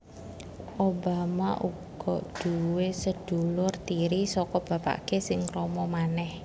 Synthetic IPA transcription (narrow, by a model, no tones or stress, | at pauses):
ʔobamaʔṵɡ̥ɔʔɖ̪̥uwesəd̪̥ṳlʊrt̪iɾisɔkɔb̥ä̤pa̰kesɪŋɾɔmɔmanɛh